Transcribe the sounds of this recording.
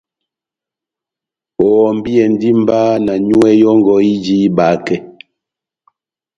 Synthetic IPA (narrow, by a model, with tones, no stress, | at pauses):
ɔ˨m̩˦bi˦ɛ˨n˦di˦m̩˦baː˦na˨ɲu˦ɛ˦jɔ˦ŋ˨ɡɔ˨˦i˦d͡ʒi˦baː˨˦kɛ˦